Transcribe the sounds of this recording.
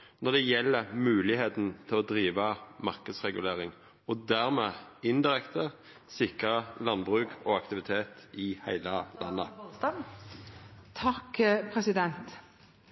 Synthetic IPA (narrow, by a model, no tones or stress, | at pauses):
nɔʁd̪ɛjɛlːəmʉːlɪheːt̪n̩t̪ʰɪlɔd̪ʁiːʋəmɑʁkəd̪sʁɛɡʉleːʁɪŋ | ɔd̪æʁmeːɪnd̪ɪʁɛkt̪ʰə | sɪkʁəlɑnbʁʉːkʰɔɑkt̪ɪʋɪt̪ʰeːt̪ɪhæɪləlʔɑ̰nːə̰ | t̪ʰɑkpʰɾɛsɪd̪ɛnt̪